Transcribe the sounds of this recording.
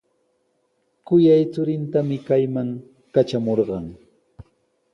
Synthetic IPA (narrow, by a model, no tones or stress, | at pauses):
kʊjajt͡sʊɾɪnt̪amɪkajmaŋ | kat͡ʃamoɾɢɑŋ